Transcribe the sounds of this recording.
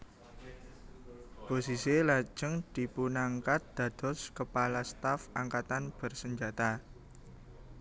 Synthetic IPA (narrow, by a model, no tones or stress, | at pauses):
posiselḁd͡ʒəŋd̪̥i̤punaŋkat̪̚d̪̥ä̤d̪̥ɔ̤skəpalast̪afaŋkat̪anb̥ə̤rsəɲd͡ʒat̪a